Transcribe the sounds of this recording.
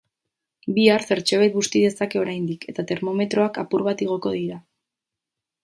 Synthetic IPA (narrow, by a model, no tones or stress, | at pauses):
biaɾse̞ɾt͡ʃe̞βet̪̚ɡust̪ið̞e̞sake̞o̞ɾajnd̪ike̞t̪at̪e̞ɾmo̞me̞t̪ɾo̞akapuɾβat̪iɣ̞o̞ko̞ðiɾa